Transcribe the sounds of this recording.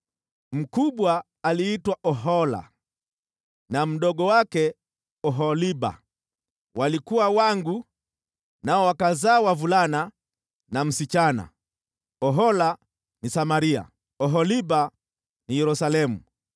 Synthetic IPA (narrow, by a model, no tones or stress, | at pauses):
m̩kuɓwaː | liitwaʔɔɦɔla̰ | nam̩ɗɔɠɔwakɛ | ɔɦɔliɓa̰ | walikuwawaŋɡu | naɔwakazaːwavulana | nam̩sit͡ʃana̰ | ɔɦɔla | nisamaɾia̰ | ɔɦɔliɓa | nijɛɾusalɛmṵ